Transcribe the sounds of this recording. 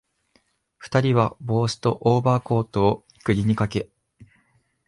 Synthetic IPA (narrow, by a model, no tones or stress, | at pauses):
ɸɯ̟̥t̪aɾʲiβabo̞ːɕɨ̥t̪o̞ʔoːbaːko̞ːt̪o̞ːi̥kɯ̟ɾʲiɲ̟ikake̞